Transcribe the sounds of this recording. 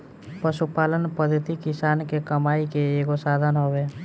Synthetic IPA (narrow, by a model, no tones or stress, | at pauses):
pəʃupaːlənpəd̪ʱət̪ikɪsaːnkekəmaːikeeːɡosaːd̪ʱənɦoweː